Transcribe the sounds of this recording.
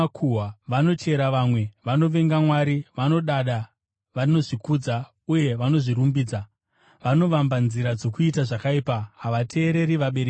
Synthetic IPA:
kʰuwaʋano̞t͡ʃe̞ɾaʋamwe̞ʋano̞ʋe̞ŋɡamwaɾiʋano̞ɗaɗa | ʋano̞ʐikud͡za | uje̞ʋano̞ʐiɾumbiːd͡za | ʋano̞ʋambanziɾad͡zokuitaʐakaiːpaɦaʋatʰe̞ːɾe̞ɾiʋaɓe̞ɾek

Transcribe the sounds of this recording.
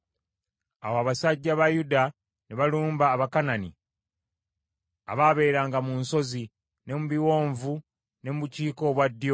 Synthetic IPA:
awoaβasaɟːaβajuda | neβaluːmbaːβakananḭ | a̰βaːβe̞ːɾaːŋɡamunso̞zi | ne̞muβiwo̞ːɱvu | ne̞muβuciːko̞ːβwadːjo

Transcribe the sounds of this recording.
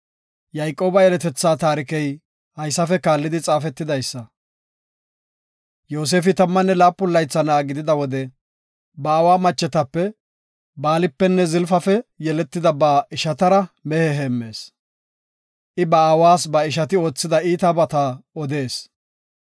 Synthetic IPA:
jɐjkʼːo̞ːbɐjɛlɛt̪ɛt͡sːaːt̪aːɾɪkɛj | hɐjsːɐfɛkaːlːɪd̪ɪt͡sʼaːfɛt̪ːɪd̪ɐjsːɐ | jo̞ːs̬e̞ːfɪt̪ɐmːɐnːɛlaːpːʊlːɐjt͡sːɐnaːɡɪd̪ɪd̪ɐwɔd̪ɛ | bɐːwaːmɐt͡ʃːɛt̪ɐpːɛ | baːlɪpːɛnːɛzɪlfɐfɛjɛlɛt̪ːɪd̪ɐbaːɪʃɐt̪ɐɾɐmɛhɛɦeːmːe̞ːs | ʔɪbɐaːwaːsbɐɪʃ̬ɐt̪ɪo̞ːt͡sːɪd̪ɐiːt̪abɐt̪aːɔd̪e̞ːs

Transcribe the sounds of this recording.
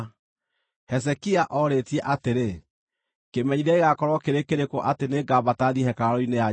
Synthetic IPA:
hɛsɛkiaʔɔɾetiɛʔateɾe | kemɛɲiɾaeɣakɔɾwɔkeɾekeɾekoʔateneɡabataðiɦɛkaaɾoinea

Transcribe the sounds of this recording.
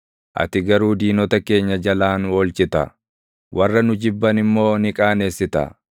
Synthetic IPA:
ʔɐ̰t̪ɪɡɐɾuːd̪iːnɔt̪ɐke̞ːɲːɐd͡ʒɐlaːnɔːlt͡ʃɪt̪ɐ̰ | wʔɐrːɐnʊd͡ʒɪbːɐnɪmːo̞ːnɪkʼaːne̞ːsːɪt̪ɐ̰

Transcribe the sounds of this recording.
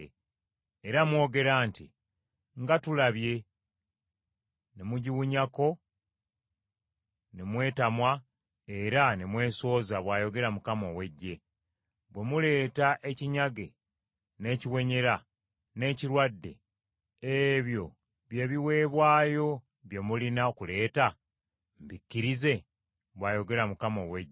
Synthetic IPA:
eɾamwo̞ːɡe̞ɾaːntḭ | ŋɡatulaβje̞ | nemuɟiwuɲako̞ | nemwe̞ːtamwa | e̞ɾanemwe̞ːso̞ːzaβwaːjo̞ɡe̞ɾamukamo̞we̞ɟːe̞ | βwe̞mule̞ːtaʔeciɲaɡe̞ | ne̞ːciwe̞ɲe̞ɾa | ne̞ːciɾwadːe̞̰ | eβjo̞ | βje̞ːβiwe̞ːβwaːjo̞ | βje̞mulinaokule̞ːta | m̩bikːiɾize̞ | βwaːjo̞ɡe̞ɾamukamo̞we̞ɟː

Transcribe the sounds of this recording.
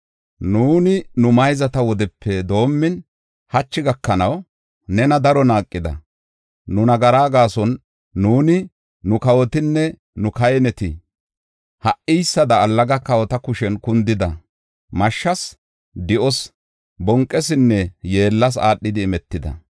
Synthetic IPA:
nuːnɪnʊmɐjzɐt̪ɐwɔd̪ɛpːɛd̪o̞ːmːɪn | hɐt͡ʃːɪɡɐkːɐnɐw | nɛnɐd̪ɐɾɔnaːkʼːɪd̪ɐ̰ | nʊnɐɡɐɾaːɡaːsɔnː | uːnɪ | nʊkɐwɔt̪ɪnːɛ | nʊkɐjɛnɛt̪ɪ | hɐʔɪjsːɐd̪ɐːlːɐɡɐkɐwɔt̪ɐkʊʃɛnkʊnd̪ɪd̪ɐ̰ | mɐʃːɐs | d̪ɪʔɔs | bɔŋkʼːɛs̬ɪnːɛje̞ːlːɐs̬a̰ːɗːɪd̪ɪːmɛt̪ːɪd̪ɐ̰

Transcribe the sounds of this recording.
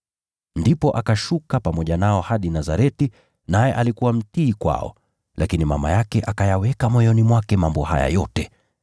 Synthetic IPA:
ndipɔʔakaʃukapamɔʄanaɔhaɗinazaɾɛti | najɛʔalikuwam̩tiːkwa̰ɔ̰ | lakinima̰ma̰jakɛʔakajawɛkamɔjɔnimwakɛmambɔha̰ja̰jɔtɛ

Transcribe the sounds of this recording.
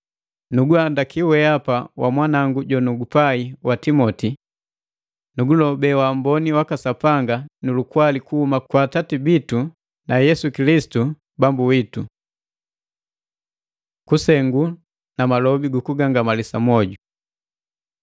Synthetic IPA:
nuɡuandakiwɛapawʔa̰mwanaŋɡuɟɔnuɡupaiwatimɔti | nuɡulɔbɛwambɔniwakasapaŋɡanulukwalikuhumakwaːtatibitu | najɛsukilisi̥tu | bambuwitu | kusɛŋɡu | namalɔbiɡukuɡaŋɡamalisamɔɟu

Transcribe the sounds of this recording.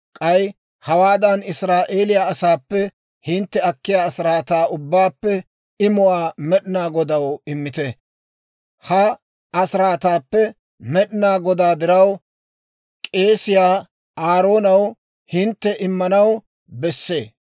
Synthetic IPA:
kʼɐj | hɐwaːd̪ɐnɪsɾaːʔe̞ːlɪjaːɐsaːpːɛ | hɪnt̪ːɛɐkːɪjaːɐsɪɾaːt̪aːʔʊbːaːpːɛ | ɪmʊwaːmɛɗɪnaːɡɔd̪ɐwɪmːɪt̪ɛ | hɐ | ɐsɪɾaːt̪aːpːɛ | mɛɗɪnaːɡɔd̪aːd̪ɪɾɐw | kʼe̞ːsɪjaː | aːɾo̞ːnɐw | hɪnt̪ːɛʔɪmːɐnɐw | bɛsːḛː

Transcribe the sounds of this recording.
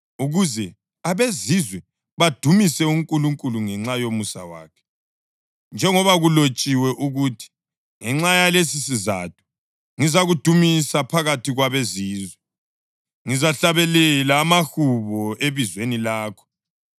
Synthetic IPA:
uɣuzɛ | aβezizwɛ | βad̥ʱumisɛuŋkʼuluŋkʼuluŋɛŋ͡ǁajomusa̰wa̰ːkʰɛ̥ | nd͡ʒʱɛŋɔβaɣulot͡ʃʼiwɛʔuɣutʰi̥ | ŋɛŋ͡ǁajalesisiza̰t̚ʰu̥ | ŋizaɣud̥ʱumisapʰaɣatʰiɣwaβeziːzwɛ | ŋizaɬaβɛlɛlaːmaxuβɔʔeβizwenilaːkʰɔ̥

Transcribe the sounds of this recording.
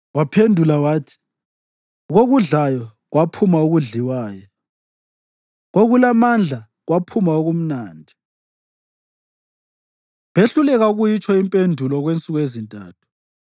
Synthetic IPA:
wapʰendʱulawaːtʰi̥ | ɣoɣuɮajɔ | ɣwapʰumauɣuɮiwaːjɔ | ɣoɣulamand͡ɮʱa | ɣwapʰumaoɣum̩naːndʱi | βeɬulɛɣauɣujit͡ʃʰʼɔimpʼendʱulɔɣwent͡sʼuɣwezintʼa̰ːtʰu̥

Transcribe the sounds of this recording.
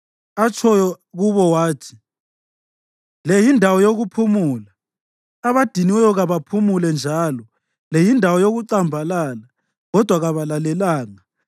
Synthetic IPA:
at͡ʃʰɔ | ɣuβɔwaːtʰi̥ | lejindʱawɔjoɣupʰumuːlaː | βad̥ʱiniwɛjɔɣaβapʰumulɛnd͡ʒʱalɔ | lejindʱawɔjoɣuǀambʱalaːla | ɣɔd̥ʱwaɣaβalalɛlaːŋa

